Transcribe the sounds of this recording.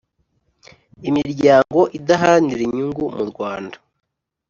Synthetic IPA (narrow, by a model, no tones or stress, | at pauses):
imiɾɟaːŋɡo̞ʔidaɦaniɾiɲuŋɡumuɾɡwaːndḁ